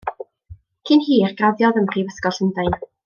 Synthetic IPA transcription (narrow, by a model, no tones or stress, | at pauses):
kʰɪnhiːrɡraðjɔðəmrivəskɔɬəndajn